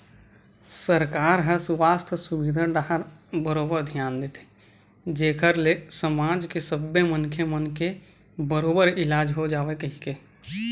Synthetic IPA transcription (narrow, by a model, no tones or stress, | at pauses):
səɾkaːɾɦə̃swaːst̪ʰəsʊbid̪ʱəɖaɦəɾbəɾoːbəɾd̪ʱjaːnd̪it̪ʰe | d͡ʒeːkʰəɾlesəmaːd͡ʒkesəbːemənkʰjemənke | bəɾoːbəɾɪlaːd͡ʒɦod͡ʒaːʋekəɦĩke